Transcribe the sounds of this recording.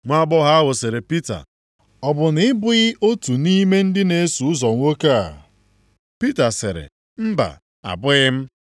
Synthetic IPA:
ŋʷa˦bɔ˦ɦa˦wʊ˨se˨ɾe˨pi˦ta̰˨ | ɔ˨bʊ˨nɪ˦ɪ˦bʊ˦ɣɪ˦ʔo˦tu˨ni˦me˦n̩˦dɪ˦ne˨˦su˨ʊ˦zɔ˨ŋʷo˦ka˦˨ | pi˦ta˨sɪ̰˨ɾɪ̰˨ | m̩˦ba̰˨ | a̰˨bʊ˦ɣɪ˦m̩˦

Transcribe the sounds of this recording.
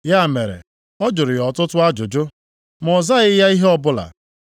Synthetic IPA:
ja˦˨me˨ɾḛ˨ | ɔ˦d͡ʒʊ˨ɾɪ˨jɔ˨tʊ˦tʊ˦a˦d͡ʒʊ˨d͡ʒʊ˦ | mɔ˨za˦ɪ˦ja˦i˦ɦe˦ɔ˦bʊ˦la̰˨

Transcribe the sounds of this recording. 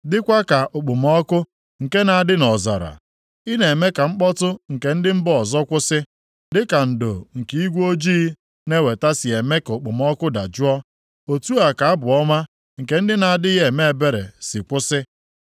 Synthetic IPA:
dɪ˦kʷa˦ka˨ʔʊ˨k͡pʊ˨mɔ˦kʊ˦ | ŋ̩˨ke˦na˨a˨dɪ˦nɔ˨za̰˨ɾa̰˨ | i˦ne˨me˦ka˨ŋ͡m̩˦k͡pɔ˦tʊ˦ŋ̩˨ke˨n̩˦dɪ˦m̩˦bɔ˦ɔ˨zɔ˦kʷʊ˦sɪ˦ | dɪ˦ka˨n̩˨do̰˨ŋ̩˨ki˨˦i˦ɡʷo˦d͡ʒi˦ | ne˦we˨ta˦si˨e˨me˦kʊ˨k͡pʊ˨mɔ˦kʊ˦da̰˨d͡ʒʊ˦ɔ˦ | o˨tu˦a˨ka˨a˦bʊ˨ɔ˦ma˦ | ŋ̩˨ke˨n̩˦dɪ˦na˨a˨dɪ˦ɣe˨me˦e˨be˦ɾḛ˨sɪ˨kʷʊ˦sɪ˦

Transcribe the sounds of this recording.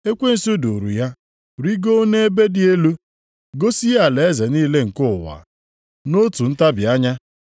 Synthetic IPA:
e˦kʷe˦n̩˨su˦do˨ɾṵ˨ja˦ | ɾi˦ɡo˦o˦ne˦e˦be˦dɪ˦e˦lu˦ | ɡo˦si˦ja˨le˨e˦ze˨niː˦le˦ŋ̩˨kʊ˦˨wa̰˨ | no˦tu˨n̩˦ta˦bɪ˨a˦ɲa˦

